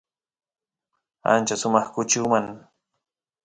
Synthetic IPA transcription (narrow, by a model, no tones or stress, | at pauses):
a̰nt͡ʃasʊmɑχkʊt͡ʃuːmaŋ